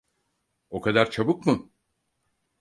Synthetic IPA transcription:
o̞kʰad̪aɾt͡ʃʰabɯkmɯ

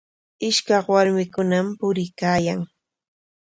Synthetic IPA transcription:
ɪʃkɑχwaɾmɪkʊnampʊɾɪkaːjaŋ

